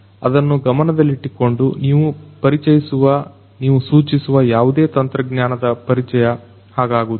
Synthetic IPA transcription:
ɐ̰d̪ɐnːuɡɐmɐnɐd̪ɐlːiʈːiko̞ɳɖuniːʋupɐɾit͡ʃɐjisuʋɐ | niːʋusuːt͡ʃisuʋɐjaːʋud̪eːt̪ɐnt̪ɾɐɡɲjaːnɐd̪ɐpɐɾit͡ʃɛjɐ | haːɡaːɡud̪

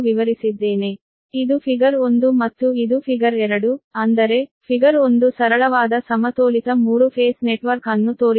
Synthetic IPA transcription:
ʋiʋɐɾisid̪ːeːne | id̪upʰiɡɐɾo̞nd̪umɐt̪ːuid̪upʰiɡɐɾɛɾɐɽuɐnd̪ɐɾe̞pʰiɡɐɾo̞nd̪usɐɾɐɭɐʋaːd̪ɐsɐmɐt̪oːlit̪ɐmuːɾupʰeːsneʈʋɐɾkɐnːut̪oːɾ

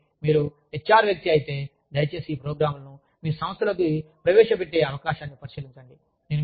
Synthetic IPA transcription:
miːɾu | et͡ʃːaːɾʋjɐk̚t̪iɐjit̪e̞ː | d̪ɐjɐt͡ʃe̞ːsiːpɾoːɡɾaːmulnu | miːɾusɐmɐst̪ʰɐlɐk̬ipɾɐʋɛːʂɐpeʈːeːɐʋɐkaːʃaːnːipɐɾiʃiliɲt͡ʃɐɳɖi | nenu

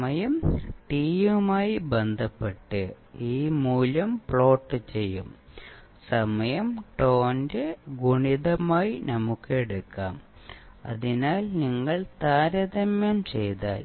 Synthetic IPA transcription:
mɐjɐmʈiːjumaːjibe̞nd̪ʱɐpːe̞ʈːɨ | iːmuːlɐmpɭo̞ːʈːɨt͡ɕe̞jːum | sɐmɐjɐmʈo̞ːndeɡuɳiðɐmaːjinɐmukːɨeɽukːa̰ːm | ɐ̰ðinaːlniŋːɐɭt̪aːɾɐðɐmjɐmt͡ɕe̞jt̪aːl

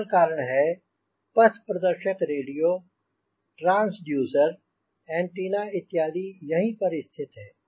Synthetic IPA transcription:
lkaːɾəɽ̃ɦɛː | pɐt̪ʰpɾɐd̪əɾʃəkɾeːɖijoː | ʈɾãːnsɖjuːzəɾ | ɛ̃ːɳʈiːnaɪt̪ːjaːd̪ijɐɦĩpɐɾɪst̪ʰɪt̪ɦɛː

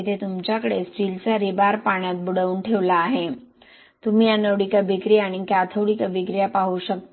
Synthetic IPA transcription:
t̪ʰet̪umt͡ɕjakəɽesʈiːlt͡saɾibaɾpaɳ̃jat̪̚buɽəuːnʈʰeʋlaːɦe | t̪umiːanəʋɽikəbʱikɾijaɽ̃ikjat̪ʰəwɽikəbʱikɾijapaɦuɕək̚t̪

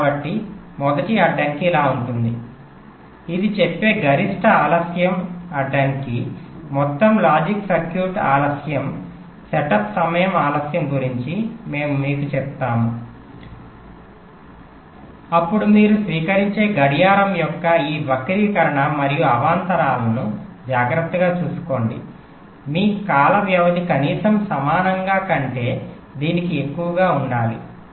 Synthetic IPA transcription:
abɐʈːi | mɔd̪ɐʈiɐɖːɐːnikiilaːuɳʈund̪ḭ | id̪it͡ʃepːe̞ːɡɐɾiʂʈɐaːlɐsjɐmɐɖːaːnikimɔt̪ːɐmlaːd͡ʒiksɐɾkjuːɾʈaːlɐsjɐm | sɛʈɐpsɐmɐjɐmaːlɐsjɐmɡuɾiɲt͡ʃime̞ːmumiːkut͡ʃɛp̚t̪aːmu | ɐpːuɽumiːɾusʋiːkɐɾiɲt͡ʃe̞ːɡɐɽijaːɾɐmjɔkːɐiːbɐkɐɾiːkɐɾɐɳɐmɐɾijuɐʋaːnt̪ɐɾaːlɐnud͡ʒaːɡɾɐt̪ːɐɡaːt͡ʃuːsu̥ko̞ːɳɖḭ | miːkaːlɐʋjɐʋɐd̪ikɐniːsɐmsɐmaːnɐŋɡaːkɐɳʈe̞ː | d̪iːnikie̞kːuʋɐɡaːuɳɖaːli

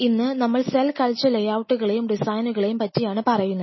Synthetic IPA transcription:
inːɨnɐmːɐɭselkɐɭt͡ɕːɐlejaːwuʈːuɣɐɭejumɖisaːjnuɣɐɭejumpɐtːijaːɳɨpɐrɐjunːɐð

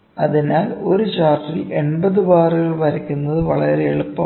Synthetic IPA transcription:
ɐðinaːlo̞ɾut͡ɕaːrʈːile̞ɳbɐðɨʋaːrɨɣɐɭʋɐɾɐkʲːunːɐðɨʋɐɭɐɾeːɭupːɐ

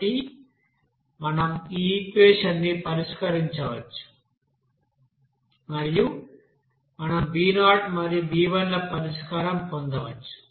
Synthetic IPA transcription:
i | mɐnɐmiːkʋeːʂɐnːipɐɾiʂkɐɾiɲt͡ʃɐʋɐt͡ʃːu̥ | mɐɾiju | mɐnɐmbiːnaːʈmɐɾijubiːʋɐlːɐpɐɾiʂkaːɾɐmpond̪ɐʋɐt͡ʃːu̥

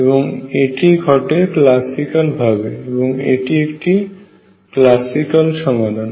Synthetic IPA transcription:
eboŋeʈiɡʱɔʈeklasikalbʱabeeboŋḛʈiekʈi | klasikalʃɔŋbad̪ʱan

